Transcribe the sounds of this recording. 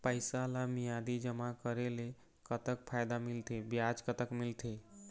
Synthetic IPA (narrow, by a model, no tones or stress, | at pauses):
pəjsalamijad̪id͡ʒəmakəɾele | kət̪ək̚pʰajd̪amilt̪ʰebjad͡ʒkət̪əkmilt̪ʰe